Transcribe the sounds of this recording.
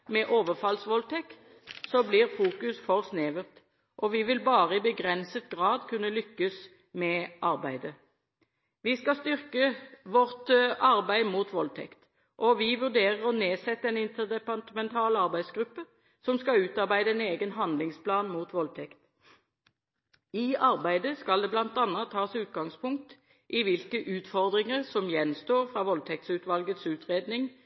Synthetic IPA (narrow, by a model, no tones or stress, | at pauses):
mɛʔoːʋəʁfɑlsʋɔlt̪ʰɛk̪ | sɔbliːʁfuːkʉsfɔʁsneːʋəʁt̪ | ʔɔʋɪʋɪlbɑːʁəibəɡʁɛnsət̪ɡʁɑːd̪kʰʉnːəlʏkːəs | mɛʔɑʁbæɪd̪ə | ʋɪskɑst̪ʏʁkəʋɔʁt̪ɑʁbæɪmuːt̪ʋɔlt̪ʰɛ̰kt̪ | ʔɔʋɪʋʉʁd̪eːʁəʁɔneːsɛt̪ːəɛnɪnt̪əʁd̪ɛpɑt̪əmɛnt̪ʰɑːlɑʁbæɪsɡʁʉpːə | sɔmskɑʉːt̪ɑʁbæɪd̪əɛneːɡənɦɑnd̪lɪŋspʰlɑːnmuːt̪ʋɔlt̪ʰɛkt̪ | ɪʔɑʁbæɪd̪əskɑld̪ɛːblɑnt̪ɑnːɑt̪ʰːɑːsʉːt̪ɡɑŋspʰʊŋk̚t̪ | ʔɪʋɪlkəʔʉːt̪fɔʁd̪ʁɪŋəʁsɔmjɛnst̪oːʁfʁɑːʋɔlt̪ʰɛk̚t̪sʉːt̪ʋɑlɡət̪sʉːt̪ʁeːd̪nɪŋ